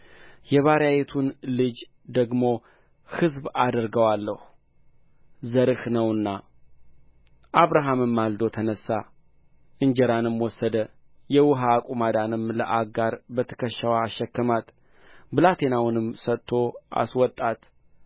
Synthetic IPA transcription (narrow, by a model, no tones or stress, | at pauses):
jɛβaɾjajet̪ʰunlɨd͡ʒ | d̪əɡmo̞ | hɨzbad̪əɾɡəwalːəhu | zəɾɨhnəwɨnːa | ʔaβɾaɦamɨmːald̪o̞t̪ʰənəsːa | ʔɨnd͡ʒɛɾanɨmwɔsːəd̪ə | jɛwʊɦakʼumad̪anɨmləʔaɡaɾbət̪ʰə̥kʰəʃːawaːʃːɛkːəmat̪ | bɨlat̪ʰe̞nawnɨmsət̪ʰːo̞a̰swɔt̪ʼːat̪